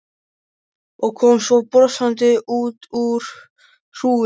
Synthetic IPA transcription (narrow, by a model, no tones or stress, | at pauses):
ɔɣkʰɔmsɔpɾɔsant̪ɪʔuːt̪uɾ̥ | r̥uː